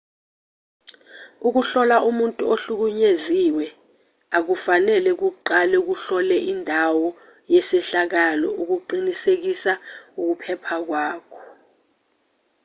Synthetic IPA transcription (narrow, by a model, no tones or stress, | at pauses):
uk̬uɬɔlaʔumuntʼuoɬuk̬uɲeziwɛ | ak̬ufanɛlɛk̬uǃalɛuk̬uɬɔlɛʔindʱawɔ | jɛsɛɬak̬alɔuk̬uǃinisek̬isauk̬upʰɛpʰak̬waːkʰɔ̥